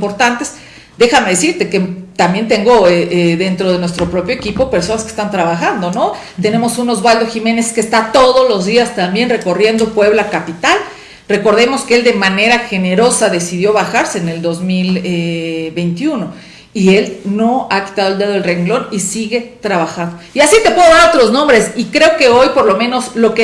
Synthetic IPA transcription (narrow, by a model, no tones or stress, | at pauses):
poɾt̪ant̪e̞s | d̪e̞xameðes̬iɾt̪e̞ket̪ambje̞nt̪e̞ŋɡo̞eʔeðe̞nt̪ɾo̞ð̞e̞nwe̞st̪ɾo̞pɾo̞pjoekipo̞pe̞ɾso̞naske̥st̪ant̪ɾaβaxand̪o̞no̞ | t̪ene̞mo̞sunozβald̪oximẽ̞ne̞skest̪at̪o̞ðozlo̞zðiast̪ambje̞nre̞ko̞rje̞nd̪opwe̞β̞lakapit̪al | re̞ko̞ɾðe̞mo̞skee̞ld̪e̞mãne̞ɾaxe̞ne̞ɾo̞saðe̞siðjo̞βaxaɾse̞ːne̞ld̪o̞zmileβe̞jnt̪juno̞ | ie̞lno̞aki̥t̪aðoeld̪eðo̞elre̞ŋɡlo̞nisiɣe̞t̪ɾaβaxand̪oiasit̪e̞pweðo̞ðaɾot̪ɾo̞znõ̞mbɾe̞sikɾe̞oke̞o̞jpo̞ɾlo̞mẽ̞no̞slo̞ke